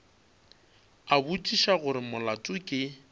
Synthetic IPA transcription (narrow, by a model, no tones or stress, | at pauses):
abutʼiʃaɣʊɾɪmʊlatʼʊkʼɪ